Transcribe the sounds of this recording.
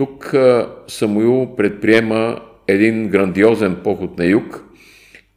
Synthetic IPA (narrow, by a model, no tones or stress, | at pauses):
t̪uk | sɐmuilˠpɾɛt̪̚pɾiɛmə | ɛd̪inɡɾɐnd̪iɔzɛnpɔxʊt̪nɐjuk